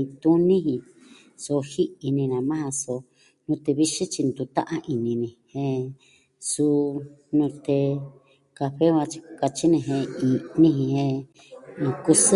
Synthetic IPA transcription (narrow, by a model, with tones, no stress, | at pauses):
ĩ˧t̪ũ˦nĩ˦hĩ˧ | so˧hi˦i˧nĩ˧nã˨mã˦hã˧so˧ | nũ˧t̪e˧βi˦ʃĩ˦t͡ʃi˧nd̪u˧t̪ã̰˦ʔã˧ʔi˧nĩ˧nĩ˧hẽ˧ | su˧nũ˧t̪e˧ | ka˧ɸe˦βa˧t͡ʃi̥˧ka˧t͡ʃi˦nĩ˧˨ɦẽ˧i˧nĩ˦ɦĩ˧hẽ˧ | ku˧sɨ˦